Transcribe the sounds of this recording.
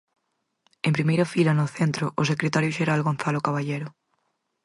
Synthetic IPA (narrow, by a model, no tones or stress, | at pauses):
empɾimejɾɐfilɐnʊθent̪ɾʊʔosekɾet̪aɾjʊʃeɾalɣon̟θalokaβaʎejɾʊ